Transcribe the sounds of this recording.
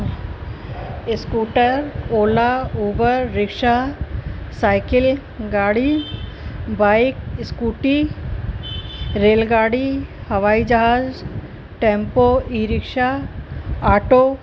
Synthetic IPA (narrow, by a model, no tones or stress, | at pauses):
ɪskuːʈəɾoːlauːbəɾːɪkʃa | saːɪkɪl | ɡaːɽi | baːjkskuːʈi | ɾeːlɡaːɽihɐʋaːid͡ʒɐɦaːz | ʈẽːmpoiɾɪkʃa | aːʈo